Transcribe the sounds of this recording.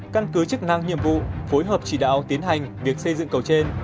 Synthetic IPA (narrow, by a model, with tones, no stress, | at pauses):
ka˧nkɨ˨˦t͡ɕɨ˦˥k̚na˧ŋɲḭ˧˨əmvṵ˧˨fo˨˦jɦəː˨˩p̚t͡ɕi˧˩ɗa̰ː˧˨wt̪i˨˦ənɦa˨˩jŋ̟vi˨˩ək̚sə˧jzɨ̰˧˨ŋkə˨˩wt͡ɕe˧n